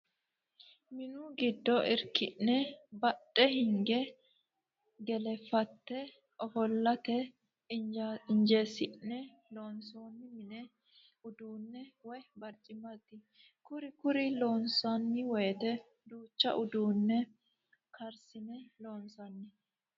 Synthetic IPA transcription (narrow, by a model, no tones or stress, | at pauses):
mɪnuɡɪd̪ːɔʔɪɾkɪnːɛbɐtʼːɛhɪŋɡɛ | ɡɛlɛfːɐt̪ːɛ | ɔfɔlːɐt̪ɛ | ɪɲd͡ʒe̞ːsɪnɛ | loːnso̞ːnːɪmɪnɛ | ʊd̪uːnːɛwɔjbɐɾt͡ʃʼːɪmɐt̪ːɪ | kʊɾɪkʊɾɪlo̞ːnsɐnːɪwɔjt̪ɛ | d̪uːt͡ʃːɐ̰ʔʊd̪uːnːɛ | kʰɐɾsɪnɛlo̞ːnsɐnːɪ